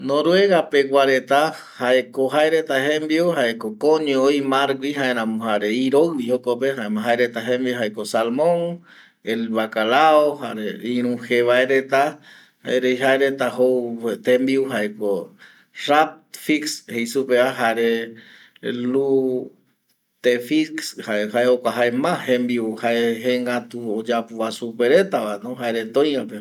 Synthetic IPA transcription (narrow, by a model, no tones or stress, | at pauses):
nõɾweɣapeɡwaɾet̪a | haekoɦaeɾet̪aɦẽmbiuhaekokõɲooimaɾɡʷiɦaẽɾ̃ãmohaɾeiɾoɨβiokopeɦaemaɦaeɾet̪aɦẽmbioɦaekosalmõŋ | elβakalaohaɾeiɾ̃ũheβaeɾet̪a | ha̰eɾejɦaeɾet̪ahowt̪ẽmbiuɦaeko | rap̚t̪fikshejsupeaɦaɾe | lu | t̪efikshaehaeokʷaɦaemãhẽmbiuhaeɦeŋɡat̪uod͡ʒapuβasupeɾet̪aβanõɦaeɾet̪õj̃ãpe